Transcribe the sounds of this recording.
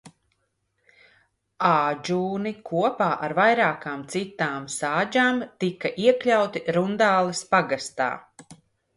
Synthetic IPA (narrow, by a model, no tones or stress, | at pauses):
aːd͡ʒuːnikʰuɔpaːʔaɾvajɾaːkaːmt̪sit̪aːmsaːd͡ʒaːmt̪ikaʔiɛklʲawt̪iɾund̪aːlˠɐspaɡast̪a̰ː